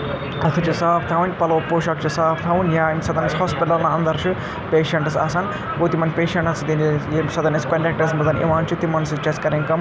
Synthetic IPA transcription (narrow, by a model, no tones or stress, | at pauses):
ɐt̪ʰut͡ʃʰisaːpʰt̪ʰɐwunʲpɐloːpoːʃɐkt͡ʃʰisaːpʰt̪ʰawunʲjaːmʲsɐd̪ɐnshospiʈɐlnɐɐnd̪ɐɾt͡ʃʰu | peːʃɐɳʈɐsa̰ːsaːn | ɡoːt̪imɐnpeːʃɐɳʈɐsʰd̪inesɐd̪ɐniskɐɳɖɐk̚ʈɐsmɐd̪ɐnḛʋaːnt͡ʃʰit̪imɐnsɨt͡ʃɐskɐɾiŋkɐm